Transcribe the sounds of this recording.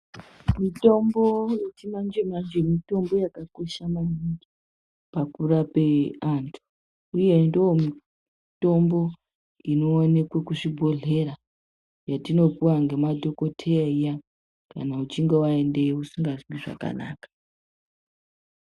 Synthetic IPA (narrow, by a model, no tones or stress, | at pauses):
mito̞mbo̞jetimand͡ʒemand͡ʒemito̞mbo̞jakako̞ʃamaɲindi | pakurape̞antʰu̥ | uje̞ndoomi | to̞mbo̞ | inoːne̞kwekuʐibʱo̞ɮe̞ɾa | jatino̞kuwaŋɡe̞madʱo̞ko̞tʰeaija | ka̰naut͡ʃiŋɡe̞wae̞nde̞usiŋɡaʐimiʐa̰ka̰na̰ːkḁ